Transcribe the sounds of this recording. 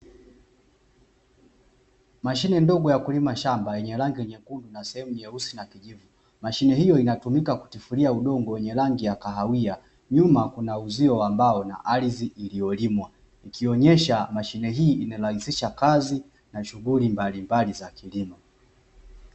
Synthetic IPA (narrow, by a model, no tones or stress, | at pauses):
maʃinɛndɔɠɔjakulimaʃambajɛɲɛlaŋɡiɛɲɛkundunasɛhɛmujɛusinakiʄivu | maʃinɛɦijɔinatumikaku̥tifuliauɗɔŋɡɔwɛɲɛlaŋɡijakaɦawia | ɲumakunauziɔwambaɔna̰ʔaliziʔilijɔlimwa | ikʰiɔɲɛʃamaʃinɛɦiːinalaisiʃakazi | naʃuɣulimbalimbalizakilima